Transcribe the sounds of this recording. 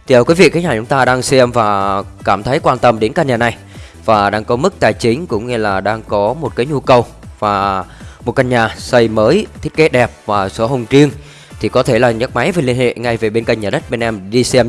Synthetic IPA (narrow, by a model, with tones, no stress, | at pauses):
t̪ʰi˨ə˨˩ki˨˦vḭ˧˨kʰa˨˦ɲaː˨˩t͡ɕʊ˨˦ŋ͡mt̪aː˧ɗaː˧ŋsɛ˧mvaː˨˩kaː˧˩mt̪ʰə˨˦jkwaː˧nt̪ə˧mɗe˨˦nkaː˧ɲaː˨˩na˨˩j | vaː˨˩ɗaː˧ŋkɔ˨˦mɨ˦˥k̚t̪aː˨˩jt͡ɕï˨˦ŋ̟kʊ̰˧˥wŋ͡mŋe˧laː˨˩ɗaː˧ŋkɔ˨˦mo˨˩t̚kaː˨˦jɲu˧kə˨˩w | vaː˨˩mo˨˩t̚ka˧nɲaː˨˩sə˧jməː˨˦jt̪ʰi˦˥ke˨˦ɗɛ˨˩p̚vaː˨˩so˨˦ɦə˨˩wŋ͡mt͡ɕi˧əŋ | t̪ʰi˨˩kɔ˨˦t̪ʰe˧˩laː˨˩ɲə˦˥t̚ma˨˦jve˨˩li˧ənhḛ˧˨ŋa˧jve˨˩ɓe˧nka̰˧˨ŋɲaː˨˩ɗə˦˥t̚ɓe˧nʔɛ˧mɗi˧sɛ˧m